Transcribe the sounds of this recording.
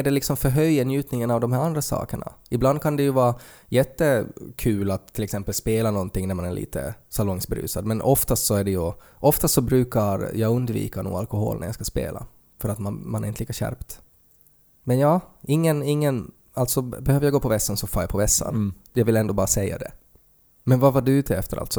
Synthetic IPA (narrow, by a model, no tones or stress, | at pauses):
æɖɛlɪksɔmfœɾɦœjənjʉ̟ːt̪nɪŋənavd̪ɔmɦhæːɾand̪ɾasɑ̰ːkəɳa̰ɪbland̪̚kʰand̪ɛjɵvɑːɾa | jɛt̪ːəkʰʉːlat̪ʰːɪlɛksɛmpəlspeːlanɔnt̪ɪŋːnæɾmanæɭʔḭːt̪ə̰salɔŋsbɾʉ̰ːsad̪mɛnʔɔft̪ast̪sɔæɖɛjɵ | ʔɔft̪ast̪sɔbɾʉ̟ːkaɾjɑːɡɵnd̪vḭːkanṵːɡalkɔɦo̰ːlnæ̰ɾja̰skaspḛːla̰ | fœɾat̪mamanæɾɪnt̪əliːkaɕæ̰ɾpt̪ | mɛnjɑːɪŋːənɪŋːən | alt̪sɔbɛhøːvəjaɡoːpʰɔvɛsːansɔfaɾjapʰɔvɛsːa̰n | jɑvɪlɛnd̪oːbɑːɾasɛjːa̰d̪ɛ̰ | mɛnvavaɖɵʉːt̪ʰɛ̰ft̪əɾʔa̰lt̪sɔ